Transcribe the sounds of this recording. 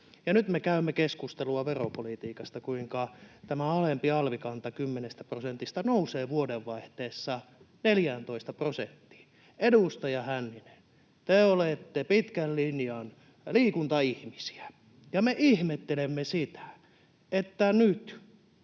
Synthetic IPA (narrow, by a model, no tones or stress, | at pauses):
jɑnyt̪mekæymːekeskust̪eluɑʋeropolit̪iːkɑst̪ɑkuiŋkɑt̪æmæɑlempiɑlʋikɑnt̪ɑkymːenest̪æprosent̪ist̪ɑnouseːʋuodeʋʋɑiht̪eːsːɑ | neljænt̪oist̪ɑprosent̪ːi̥ː | edust̪ɑjɑhænːinen | t̪eːoleˑt̪ːepit̪kællinjɑn | liːkunt̪ɑihmisi̥æ̥ | jɑmeʔihmet̪ːelemːesit̪æ̥ | et̪ːænyt̪